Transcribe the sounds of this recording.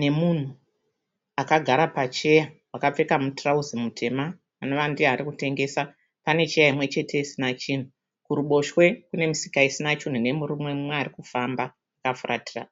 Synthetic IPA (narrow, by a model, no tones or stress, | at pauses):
ne̞mun̤u | akaɡʱaɾapat͡ʃe̞jawakap͡fe̞kamutrauzimutʰe̞ma | anoʋandiaɾikute̞ŋɡe̞ːsa | pane̞t͡ʃe̞jaimwe̞t͡ʃe̞tʰe̞isinat͡ʃin̤u | kuɾuɓo̞ʃwe̞kune̞misi̥kaisinat͡ʃin̤une̞muɾumwemumwearikufamba | akafuratira